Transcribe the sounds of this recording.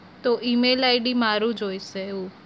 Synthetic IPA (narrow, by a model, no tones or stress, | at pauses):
t̪oʔimelaːɪɖimaːɾũd͡ʒoːiseu